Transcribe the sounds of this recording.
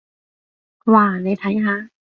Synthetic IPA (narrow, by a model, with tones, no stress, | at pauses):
waː˨˩na˨˧˦jt̪ʰa˧˥˦jɦʰa˧˦˥